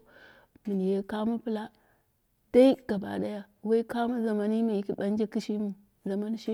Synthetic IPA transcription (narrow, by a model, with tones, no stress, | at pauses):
mi˨n˨je˦ka˦mu˦pi˦la˦ | d̥a˦i˦ɡ̥a˨ba̰˨ɗa˦ja˦ | wa˦i˦ka˦mu˦za˨ma˦ni˦ma˨ji˦ki˦ɓa˦n˦d͡ʒa˦ki˦ʃi˦mu˨ | za˨ma˦n˦ʃi˦